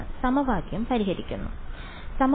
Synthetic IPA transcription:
ɨsɐmɐʋaːɡjɐmpɐɾiɦɐɾikʲːṵnːṵ | sɐm

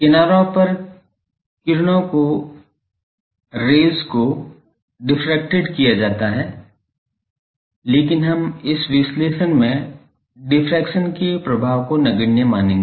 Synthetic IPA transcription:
kɪnaːɾõpɐɾ | kɪɾɽ̃õko | ɾeːlzko | ɖɪfʰɾɛk̚ʈɪɖkijad͡ʒaːt̪aɦɛː | leːkɪnɦɐmɪsʋɪsleːʃənmẽ | ɖɪfʰɾɛːkʃənkepɾɐbʱaːʋkonɐɡəɽnemaːnẽːŋɡ

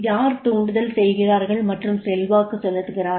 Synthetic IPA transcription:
jaːɾt̪uːɳɖɯðɐlsɛjɣɪraːɾɣɐɭmɐʈrɯmsɛlʋaːkɯsɔlːɯtːɯɣɪraː

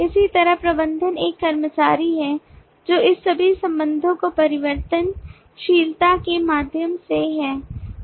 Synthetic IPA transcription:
ɪsit̪ɐɾəɦpɾɐbə̃nd̪ʱəneːkːɐɾmət͡ʃaːɾiɦɛ | d͡ʒoːɪsːɐbʱisɐ̃mbə̃nd̪ʱõkopɐɾɪʋəɾt̪ən | ʃiːlt̪akemaːd̪ʱjəmseɦɛː

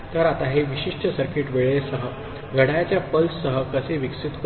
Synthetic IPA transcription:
t̪əɾat̪aɦeʋiɕiʂʈəsəɾkiʈʋeɭesəɦə | ɡʱəɽajat͡ɕjapəlssəɦəkəseʋiksit̪k

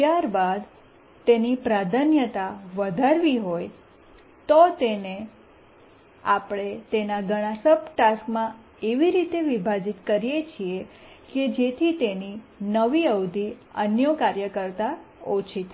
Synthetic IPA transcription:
t̪jaɾbad̪ | t̪enipɾad̪ʱənjət̪aʋəd̪ʱaɾʋiɦoj | t̪ot̪ene | apɽ̃et̪enaɡəɽ̃asəpʈaskmã | eʋiɾit̪eʋibʱad͡ʒit̪kəɾijet͡ʃʰie | ked͡ʒet̪ʰit̪eninəʋiəwd̪ʱiə̰njəkaɾjəkəɾt̪aot͡ʃʰit̪ʰ

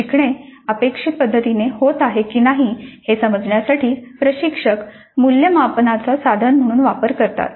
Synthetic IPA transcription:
ikɳ̃eəpekʂit̪̚pəd̪ʱːət̪inehot̪aɦekiːnaɦihesəməd͡zɳjasaʈʰiːpɾəɕikʂək | muljəmapnat͡sasad̪ʱənm̤əɽ̃uːnʋapəɾkəɾt̪a̰t̪

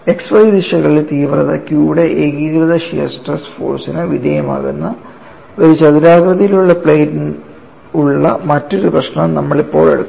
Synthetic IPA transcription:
e̞ksfɐjd̪iʂɐɣɐɭilt̪iːʋrɐðɐkjuːɽeʔeɡikrɨðɐɕiːsʈrɐsfo̰ːrsinɨʋid̪ʱɐjɐma̰ːɣunːɐ | oɾut͡ɕɐðiɾaːɣrɐðɐjiluɭːɐpɭejtin | uɭːɐ̰mɐtːo̞ɾuprɐɕnɐmnɐmːɐɭipːo̞ːɭe̞̰ɽut̪ː

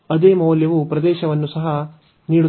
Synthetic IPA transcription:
ɐd̪eːmɐːljɐʋupɾɐd̪ɛːʃɐʋɐnːusɐɦɐ | niːɽu

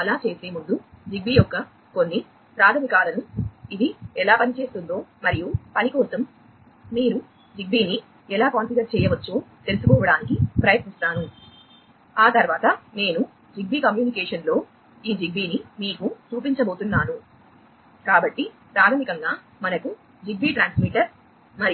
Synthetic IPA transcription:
ɐlaːt͡ʃe̞ːse̞ːmund̪ud͡ʒiɡ̚bijɔkːɐ | konːi | pɾaːt̪ʰɐmikaːlɐnuid̪iɛlaːpɐnit͡ʃe̞ːst̪und̪o̞ːmɐɾijupɐnikɔːsɐmː | iːɾu | d͡ʒiɡ̚biːni | ɛlaːkoːnsidɐɾt͡ʃɛːjɐʋɐt͡ʃːoːt̪e̞lusu̥kɔːʋɐɽaːnikipɾɐjɐt̪nist̪aːnu | aːt̪ɐɾʋaːt̪ɐne̞ːnu | d͡ʒiɡ̚biːkɐmjuːnikɛːʂɐnlo̞ː | iːd͡ʒiɡbiːnimiːkut͡ʃuːpiɲt͡ʃɐbo̞ːt̪unːaːnu | kaːbɐʈːi | pɾaːt̪ʰɐmikɐŋɡaː | mɐnɐku | d͡ʒiɡ̚biʈɾaːnsmiʈɐɾ | mɐɾi

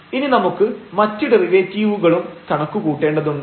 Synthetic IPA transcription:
ininɐmukːɨmɐtːiɽeriʋeːt͡ɕːiːʋuɣɐɭumt̪ʰɐɳɐkːukuːʈːe̞ːɳɖɐðuɳːɨ

